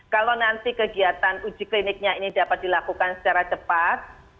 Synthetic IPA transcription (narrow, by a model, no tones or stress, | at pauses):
kalonant̪ikəɡiat̪anu̥d͡ʒ̥i̤klinɪk̚ɲainid̪a̤pat̪̚d̥̪ilakukansə̥t͡ʃaɾat͡ʃəpat̪̚